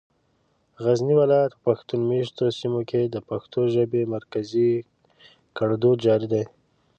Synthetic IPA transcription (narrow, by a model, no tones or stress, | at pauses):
ɣazniwɪlɑjat̪̚pəpaxt̪unmeʃt̪osimokʰed̪əpaxt̪oʒəbemaɾkazi | kaɽd̪od̪̚d͡ʒɑɾid̪aj